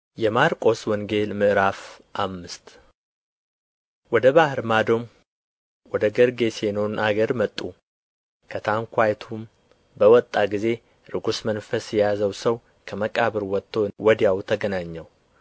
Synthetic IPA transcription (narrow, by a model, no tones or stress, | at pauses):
jɛmaɾkʼo̞swɔŋɡe̞lmɨʔɨɾafʔamːɨst̪ | wɔd̪əβahɨɾmad̪o̞m | wɔd̪əɡəɾɡe̞senonʔaɡəɾmət̪ʼːu | kʰət̪ʰaŋkʷʰajt̪ʰum | bəwɔt̪ʼːaɡize̞ | ɾɨɡusmənfəsjɛjazəwsəw | kʰəməkʼaβɨɾwɔt̪ʼːowɔd̪jawt̪ʰəɡənaɲːɛw